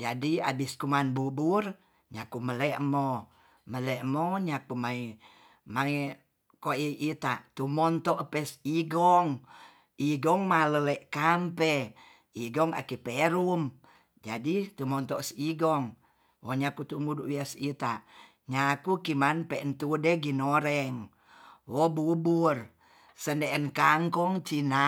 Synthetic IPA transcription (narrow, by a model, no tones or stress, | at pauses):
d͡ʒadia̰biskumanbubur | ɲakuməlɛʔmɔ | məlɛʔmoɲakumai | ma | koiʔit̪aʔt̪umɔnt̪ɔʔəpɛsiɡɔŋ | iɡɔŋmaləleʔkampɛ | iɡɔŋa̰kipeɾum | d͡ʒadit̪umɔnt̪ɔʔsiɡɔŋ | woɲakut̪umuduʔwiasit̪aʔ | ɲakukimanpɛʔnt̪udeɡinoɾɛŋ | wobubur | səndeʔənkaŋkɔŋt͡ʃina